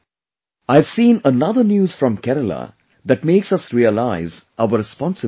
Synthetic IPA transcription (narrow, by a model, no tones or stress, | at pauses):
aɪʋsĩːnənʌðənjuːz̥fɾɔ̃mkɛɾəla̰ | d̪æʈ̚meːksʌsɾiəlaɪzʔaʊəɾɪspɔ̃nsə